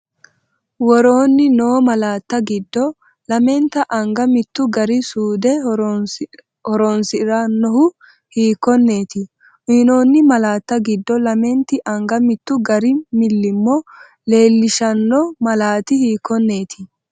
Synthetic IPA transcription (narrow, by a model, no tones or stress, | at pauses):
wɔɾoːnːɪno̞ːmɐlaːt̪ːɐɡɪd̪ːɔ | lɐmɛnt̪ːɐʔɐŋɡɐmɪt̪ːʊɡɐɾɪsuːd̪ɛ | hɔɾɔnsɪɾanːɔhʊ | hiːkːɔnːe̞ːt̪ɪ | hiːnoːnːɪmɐlaːt̪ːɐɡɪd̪ːɔlɐmɛnt̪ɪʔɐŋɡɐmɪt̪ːʊɡɐɾɪmɪlːɪmːɔ | le̞ːlːɪʃɐnːɔmɐlaːt̪ɪhiːkːɔnːe̞ːt̪ʰɪ